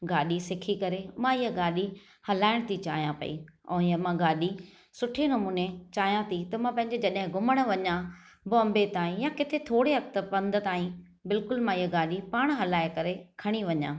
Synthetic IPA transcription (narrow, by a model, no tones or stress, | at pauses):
ɡaːɗisɪkʰikɐɾemãiɦəɡaːɗi | hɐlaːɪɽ̃t̪ʰit͡ɕaːɦijãpɐ̰ḭɛ̰̃ɪɦəmãɡaːɗi | sʊʈʰenɐmuːnet͡ɕaːɦjãt̪ʰit̪ɐmãpɐ̃ɦɪ̃ɲ̆d͡ʑed͡ʑɐɗɦɪ̃ɡʊməɽ̃̆ʋɐɲã | bʊɐ̃mbet̪aːɦĩjãkɪt̪ʰet̪ʰoːɽeɦɐkt̪əpɐ̃nd̪ə̆t̪aːɦĩ | bɪlkʊlmãiɦəɡaːɗipaːɽ̃ɦɐlaːekɐɾekʰɐɽ̃iʋɐɲãː